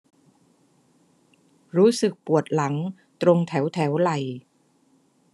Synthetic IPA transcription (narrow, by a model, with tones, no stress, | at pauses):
ɾuː˦˥sɯ˨˩k̚pu˨˩ət̪̚la˩˦ŋ | t̪ɾo˧ŋt̪ʰɛ˩˦wt̪ʰɛː˩˦˥wla˨˩j